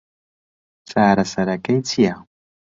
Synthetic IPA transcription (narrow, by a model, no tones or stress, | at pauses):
t͡sʼaːɾasaɾakʼajt͡sʰija